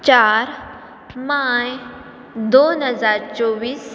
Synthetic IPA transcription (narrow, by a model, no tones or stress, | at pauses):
t͡ɕaɾ | maj | d̪onɦəd͡zaɾt͡soʋiːs